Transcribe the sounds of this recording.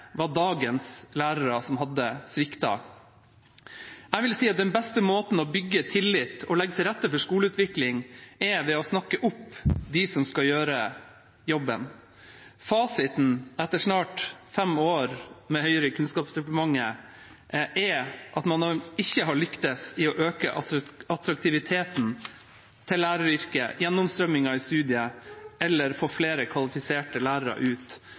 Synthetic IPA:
ʋɑɖɑːɡənslæːɾəɾɑsɔmɦɑd̪ːəsʋɪkt̪ɑ̰ | æɪʋɪlsiːɑt̪̚d̪ɛnbɛst̪əmoːt̪n̩ɔbʏɡːət̪ʰɪlːɪt̪ɔlɛɡːət̪ʰɪlɾɛt̪ːəfɔʂkuːləʉːt̪ʋɪklɪŋɛɾʋɛɔsnɑkːəʔʊpːd̪ɪsɔmskɑljøːɾə | jɔbːə̰n | fɑːsɪt̪n̩ɛt̪ːəʂnɑːʈfɛmoːɾmɛhœʏɾəkʰʉnskɑːpst̪ɛpəmɑŋːə | ʔɛʔɑt̪mɑnɪçːəɦɑɭʏkt̪əsɪɔʔøːkə̰ʔɑt̪ɾɑk̚t̪ʰɪʋɪt̪ʰeːt̪n | t̪ʰɪllːæːɾəɾʏɾkə̰jɛnːʊmst̪ɾœmːɪŋɑɪst̪ʉːd̪ɪəɛlːəɾfoːfleːɾəkʰʋɑlɪfɪseːʈəlæːɾəɾɑ̰ʔʉːt̪

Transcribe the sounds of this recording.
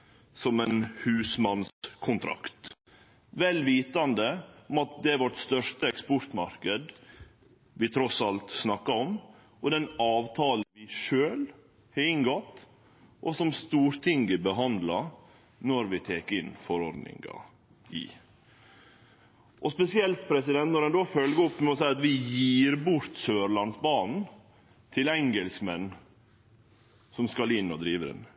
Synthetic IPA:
sɔmɛnhʉːsmɑnskʰʊnt̪ʰɾɑ̰kt̪ | ʋɛlːʋiːt̪ɑnd̪əɔmɑt̪̚d̪ɛʋɔʈst̪œʂʈəɛkspɔɾʈ̪mɑɾkəd̪ | ʋɪt̪ʰɾɔsɑlt̪snɑkːɑɔm | ɔd̪ɛnɑːʋt̪ʰɑːlʋɪʂøːl | hɑɪŋɡɔt̪ | ʔɔsɔmst̪uːɾt̪ʰɪŋɡəbəɦɑnd̪lɑ | nɔɾʋɪt̪ʰeːkəɪnːfɔɾɔɾɖ̪nɪ̰ŋɡɑ̰ | ʔɪ̰ | ʔɔspɛsɪɛlt̪pʰɾɛsɪd̪ɛnt̪nɔɾɛnd̪oːfœlɡəɾɔpːmɛɔs̬æɪɑt̪ʋɪjiːɾbʊɾt̪søːɾlɑnsbɑːnn̩ | t̪ʰɪlɛŋɡɛlsmɛnː | sɔmskɑlɪnːɔd̪ɾiːʋəɾɛ̰n

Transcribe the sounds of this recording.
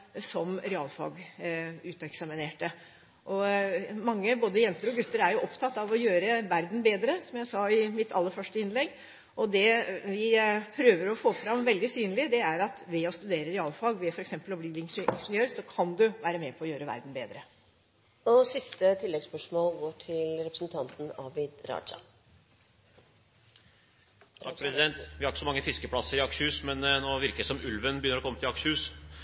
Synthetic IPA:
sɔmɾɛɑːlfɑ̰ːɡʉːt̪ɑɛksɑmɪneːʈə | ʔɔmɑŋːəboːd̪əjɛnt̪əɾɔɡʉt̪ːəɾæɾjʊʔɔpt̪ʰɑt̪ːɑʋɔjøːɾəʋæɾd̪n̩beːd̪ɾəsɔmjæɪsɑɪmɪt̪ʰːɑ̰lːəɾfœʂʈəɪnlɛɡː | ʔɔd̪ɛʋɪpʰɾøːʋəɾɔfoːfɾɑmʋɛld̪ɪsyːnəlɪd̪ɛæɾɑt̪ʋɛɔst̪ʉd̪eːɾəɾɛɑːlfɑːɡʋɛfɔɾɛksɛmpəlɔbliːɾɪnʔɪ̰nʂnjøːɾsɔkʰɑnd̪ʉʋæːɾəmɛpʰɔɔjøːɾəʋæ̰ɾd̪n̩beːd̪ɾə | ɔsɪst̪ət̪ʰɪlːɛɡspœʂmoːlɡoːʈʰɪlɾɛpɾəsn̩t̪ʰɑnt̪n̩ɑːʋɪd̪ɾɑ̰ːt͡ʃə̰ | t̪ʰɑkpɾɛsɪd̪ɛnt̪ʋɪhɑɾkə̥sɔmɑŋːəfɪskəpʰlɑsəɾɪɑkʂhʉːsmɛnnoːʋɪɾkəlɪsɔmʉlʋənbɪjʏnːəɾɔkʰɔmːət̪ʰɪlɑkʂəʉːs

